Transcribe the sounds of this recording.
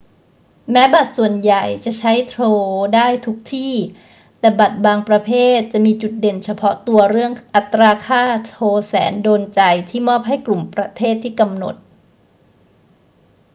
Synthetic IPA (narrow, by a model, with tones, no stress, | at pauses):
mɛː˦˥ba˨˩t̪̚su˨˩ənja˨˩jt͡ɕa˨˩ʔt͡ɕʰa˦˥jt̪ʰɾoː˧daː˥˩jt̪ʰu˦˥k̚t̪ʰiː˥˩ | t̪ɛː˨˩ba˨˩t̪̚baː˧ŋpɾa˧pʰeː˥˩t̪̚t͡ɕa˨˩ʔmiː˧t͡ɕu˨˩t̪̚de˨˩nt͡ɕʰa˧pʰɔ˦˥t̪u˧ɐɾɯ˥˩əŋʔa˨˩t̪ːɾaː˧kʰaː˥˩t̪ʰoː˧sɛ̰ː˩˦ndoː˧nt͡ɕa˧jt̪ʰiː˥˩mɔː˥˩p̚ɦa˥˩jklu˨˩mpɾa˧t̪ʰeː˥˩t̪ʰːiː˥˩ka˧mno̰˨˩t̪̚